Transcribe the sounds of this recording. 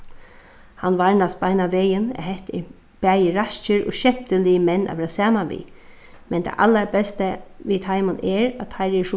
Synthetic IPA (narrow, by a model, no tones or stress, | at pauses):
hanʋaɹnasbaɪnaʋeːjənɛ̰ɦɛht̪ɛ̰ | b̥æːjəɾast͡ʃəɾɔ̰ʃɛm̥t̪əlɪəmɛnːʔa̰ʋɛːɾasaːmanʋḭː | mɛnt̪ʰa̰ʔalːaɹbɛst̪əʋit̪ʰajmʊnɛɹat̪ʰːaɪɾɛʂʊ